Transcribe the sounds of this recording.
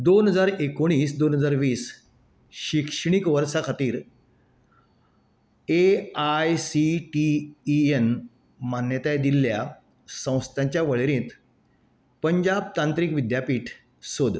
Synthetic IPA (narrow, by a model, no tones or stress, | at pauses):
d̪onɦəd͡zaɾekoɽ̃iːsd̪onɦəd͡zaɾʋiːs | ɕikʂɳ̃ikʋəɾsakʰat̪iːɾ | eajsiʈien | manjət̪ajd̪ilja | sə̃w̃st̪ʰjãɲt͡ɕjaʋəɭeɾẽːt̪ | pəɲd͡ʑab̚t̪ant̪ɾiːkʋid̪japiːʈʰ | sod̪